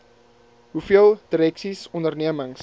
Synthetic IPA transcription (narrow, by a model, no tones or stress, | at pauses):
ɦufiəlˠdiɾɛksisɔndərniəməŋs